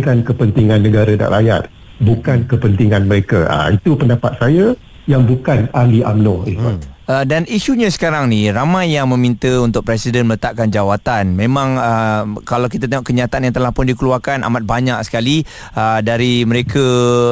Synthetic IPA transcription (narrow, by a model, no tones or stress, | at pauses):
kankəpənt̪iŋãnːə̃ɡaɾəda̰ʔɾaja̰t̪̚ | bukankəpənt̪iŋãnməɾekaa̰it̪upəndapat̪̚saja | jaŋbukanaliʔamnɔit̪uədaniʃuɲasə̥kaɾaŋniramãjːaŋmə̃mint̪əunt̪ʊk̚pɾɛsidɛnmələt̪aʔkand͡ʒawat̪anmẽmãŋəkalawkit̪̬at̪eŋɔʔkəɲat̪aanjaŋt̪əlahpʊndikəluakanʔa̰mat̪̚baɲak̚sə̥kali | ədaɾiməɾekʰə